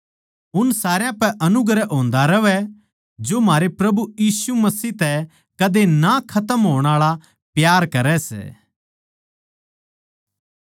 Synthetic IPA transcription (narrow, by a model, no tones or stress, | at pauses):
ʊnsaːɾjãpɛʔɐnʊɡɾɛʔɦõːnd̪aɾɐʋɛ | d͡ʒomɦaːɾepɾɐbujiːsumɐsiːt̪ɛ | kɐd̪enakʰɐt̪əmɦoːɽ̃aːɭa | pjaːɾkɐɾɛsɛ̰ː